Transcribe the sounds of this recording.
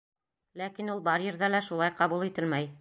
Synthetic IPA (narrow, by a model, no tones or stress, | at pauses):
lækinulˠbɑɾjɘ̆ɾðælæʃulˠɑjqɑβulˠit̪ɘlmæj